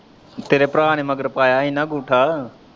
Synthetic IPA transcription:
t̪eːɾeːpɾaːɳ̃ẽːməɡəɾpaːjaːĩːnəɡuːʈʰaː

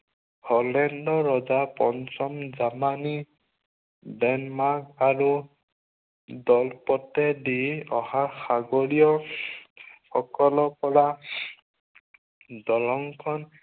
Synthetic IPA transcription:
hɔlɛndɔɹɔzapɔnsɔmzamani | dɛnmak̚aɹu | dɔlpɔtɛdiɔhaxaɡoɹijɔ | xɔkɔlɔpɔɹa | dɔlɔŋkʰɔn

